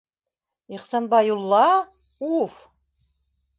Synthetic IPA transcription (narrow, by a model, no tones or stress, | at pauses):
iχsɑnbɑjulˠːɑ | uf